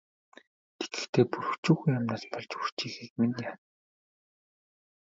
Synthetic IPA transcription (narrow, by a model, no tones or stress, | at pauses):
t̪ʰe̥ɡɘ̆xt̪ʰeːpuɾɵ̆xt͡ɕuːxujamnaːɮpɔɮt͡ɕur̥t͡ɕiːxeːkminjaːn